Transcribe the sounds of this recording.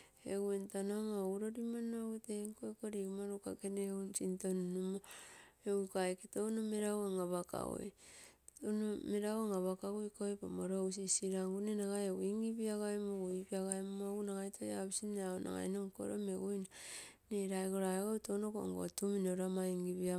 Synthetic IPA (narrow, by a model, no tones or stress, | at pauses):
ḛɡuentanamaɾoɾimanoɡuteŋkoekoɾiumaɾukakeneunsintonnumoeikaeketounomeɾawaŋaβaka̰wo̰j | onomeɾawaŋaβakaɣojkojpamoɾows̬isiɾaŋɡunenaɡajoɡiŋɡiβiaɣaemoɡuipiaɣaemomoɡunaɡajtʰojaβisineaonʔa̰ŋa̰jnoŋko̰ɾomeɡujnaneɾaeɡoɾaeɡowtonoko̰ŋɡo̰tuminoɾamaiŋɡiβia